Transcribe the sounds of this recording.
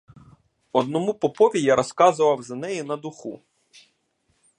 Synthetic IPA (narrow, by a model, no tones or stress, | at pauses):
ɔd̪nɔmupɔpɔʋʲijaɾɔskɑzʊʋɐwzɐnɛjinɐd̪ʊxu